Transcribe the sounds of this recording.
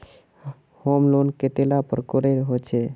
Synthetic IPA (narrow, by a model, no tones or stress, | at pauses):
homlonket̪elapəɾkoɾeɾɦot͡ʃʰɛ